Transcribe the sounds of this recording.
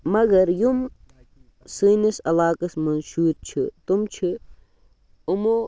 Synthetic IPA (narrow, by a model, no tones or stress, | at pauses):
mɐɡɐɾjum | siːnisɐlaːkɐsmɐnʃuːɾt͡ʃʰit̪umt͡ʃʰi | umo